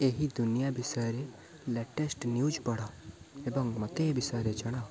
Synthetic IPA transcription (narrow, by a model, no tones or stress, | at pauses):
eɦid̪unijabisɔjɾe | leʈesʈnjud͡ʒpəɽɔebɔŋmɔt̪ebisɔjɾed͡ʒəɽ̃a